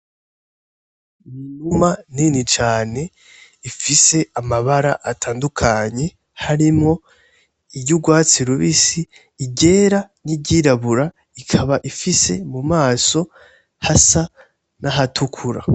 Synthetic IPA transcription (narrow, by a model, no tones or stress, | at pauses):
numaninit͡ʃaːne̞ | ifise̞ʔamaβaɾaʔatʰaːndukʰaɲe̞ | haɾimŋo̞ | iɟuɡwaːt͡siɾuβisiː | ɟe̞ːɾanibɟiɾaβuɾa | ikʰaβaʔifise̞mumaːso̞ | hasa | naɦatʰukʰuɾa̰